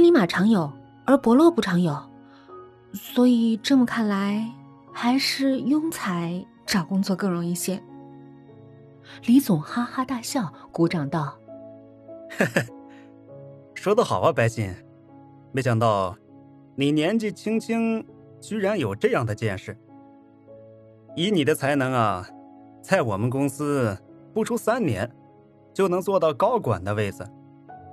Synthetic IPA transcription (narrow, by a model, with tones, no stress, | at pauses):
li˧˥ma˨˩ʈ͡ʂʰɑ˧˥ŋjo˨˩˦ʊ | ə˞˧˥pwɔ˧˥lwɔ˥˩pu˥˩ʈ͡ʂʰɑ˧˥ŋjo˨˩ʊ | swɔ˧˥i˨˩ʈ͡ʂɤ˥˩mə˩kʰa˥˩nla˧˥ɪ | xa˧˥ɪʂɻ̩˥˧jʊ˥ŋt͡sʰa˧˥ɪ | ʈ͡ʂɑ˨˩kʊ˥ŋt͡swɔ˥˧kɤ˥˩ɻʊ˧˥ŋi˥˧ɕjɛ˥˩n | li˧˥t͡sʊ˨˩ŋxa˥xa˥t̪a˥˧ɕjɑ˥˩ʊku˧˥ʈ͡ʂɑ˨˩ŋt̪ɑ˥˩ʊ | ʂwɔ˥d̪ə˧xɑ˨˩ʊə˦pa˧˥ɪɕi˧˥˩ŋ | me˧˥ɕjɑ˨˩ŋt̪ɑ˥˩ʊ | ni˨˩njɛ˧˥nt͡ɕi˥˩t͡ɕʰi˥ŋt͡ɕʰi˥ŋ | t͡ɕy˥ɻa˧˥njo˨˩ʊʈ͡ʂɤ˥˧jɑ˥˩ŋd̪ə˩t͡ɕjɛ˥˧nʂɻ̩˥˩ | i˧˥ni˨˩d̪ə˦t͡sʰa˧˥ɪnɤ˧˥ŋɐ˧ | t͡sa˥˩ɪwɔ˨˩mə˦nkʊ˥ŋsɹ̩˥pu˥˩ʈ͡ʂʰu˥sa˥nnjɛ̰˧˥n | t͡ɕjo˥˩ʊnɤ˧˥ŋt͡swɔ˥˧t̪ɑ˥˩ʊkɑ˥ʊkwa̰˨˩nd̪ə˦we˥˩ɪd͡zɹ̩˩